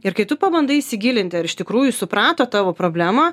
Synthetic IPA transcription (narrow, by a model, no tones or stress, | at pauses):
ɪɾkɐɪt̪ʊpɐbɐnd̪ɐisʲɪɡʲiːlʲɪnʲt̪ʲɪɐɾɪʃt̪ʲɪkɾuːjusʊpɾɑːt̪oːt̪ɑːʋoːpɾoːbʲlʲæːmoː